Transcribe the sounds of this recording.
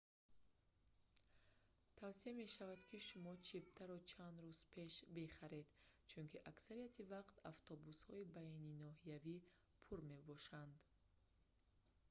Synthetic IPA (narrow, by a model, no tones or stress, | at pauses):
t̪ʰavsiame̞ʃavad̪kʰiʃumɔt͡ʃʰip̚t̪ʰaɾɔt͡ʃʰand̪ɾuz̥pʰe̞ʃbeχaɾe̞d̪t͡ʃʰunkʰiʔaksaɾiat̪ʰivaqt̪aft̪ʰɔbushɔibaininɔɦijavi | pʰuɾme̞bɔʃand̪